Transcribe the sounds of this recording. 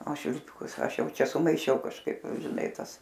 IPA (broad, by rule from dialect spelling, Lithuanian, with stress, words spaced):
oː ʃʲʋʲɪlʲˈpʲɪkʊs ˈɐʃ ˈjɛʊ ˈt͡ʃʲɛ sʊmɐɪˈʃʲɛʊ kɐʃˈkɐɪp ʒʲɪˈnɐɪ ˈtɐs